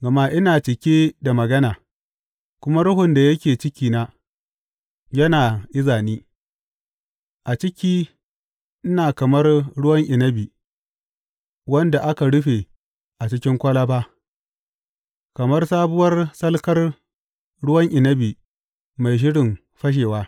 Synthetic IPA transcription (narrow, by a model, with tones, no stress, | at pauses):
ɡɐ˨maː˦ʔɪ˦naː˨t͡ʃɪ˨kʲeː˦da˨mɐ˨ɡɐ˦naː˨ | kʷʊ˦ma˦ɽʊ˦ɦʊ˨nda˨jɐ˦kʲeː˨t͡ʃɪ˦kʲiː˦˨naː˦ | jɐ˦naː˨ʔɪ˦zaː˨niː˦ | ʔa˨t͡ʃɪ˦kʲiː˦ | ʔɪ˦naː˨kɐ˨mɐ˦rɽʊ˦wɐ˦ŋʔɪ˨nɐ˦biː˨ | wɐ˦nda˨ʔa˦ka˨ɽʊ˦ɸe˨ | ʔa˨t͡ʃɪ˦kʲɪ˦ŋkʷɐ˦la˦baː˦ | kɐ˨mɐ˦rsaː˦bʊ˦wɐ˦rsɐ˦lkɐ˦r | ɽʊ˦wɐ˦ŋʔɪ˨nɐ˦biː˨ | ma˨jʃ̬ɪ˦ɽɪ˨m | ɸɐ˦ʃ̬eː˨waː˦